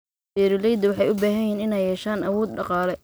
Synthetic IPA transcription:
bɛːɾɪlɛjd̪ɐwɑħɑjʊbaːɦɐjiːnɪnɛjːɛːʃaːnʔɐwɔːd̪ɖɑqɑːlɛ

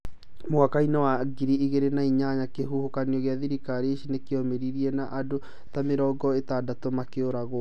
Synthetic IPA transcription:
moakainawaɡiɾiiɣeɾenaiɲaɲakeɦuhokaniɔɣeaðiɾikaɾeʃinekeɔmeɾiɾiɛnaʔado | t̪ameɾɔːɡɔet̪adatomakeoɾaɣo

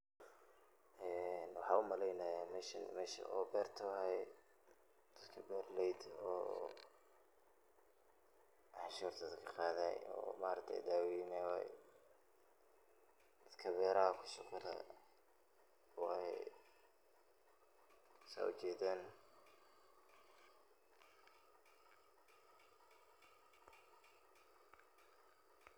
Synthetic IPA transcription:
ʔɛːnwɑħɑːʊmɐlɛjnɐjamɛʃɐnmɛːʃɐ̰ʔɔːbɛːrt̪ʰɐhɛj | d̪̥ɐd̪kʰɐbɛːrlɛjd̪ɔː | ʔɑħʃuːɾt̪ʰɐd̪kʰɐqɑːðɛjɔ̰ːmaːɾt̪ʰɛ̰d̪aːwnɛwɛ̰j | d̪̥ɐd̪kʰɐbɛːɾɐhɐkʰʊ̥sʊqʊlɛ̰ | wɑ̰ | sa̰ːʊt͡ʃɛːd̪ɛːn

